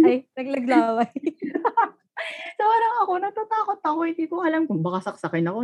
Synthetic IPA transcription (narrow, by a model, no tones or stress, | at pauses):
aɐjnɐɡlɐɡlaːwɐj | sɐwaːɾɐŋɐko̞nɐt̪at̪aːko̞t̪̚ːɐkohɪnd̪iːkoʔɐlamkʊŋbɐkasɐk̚sɐkɪnɐko̞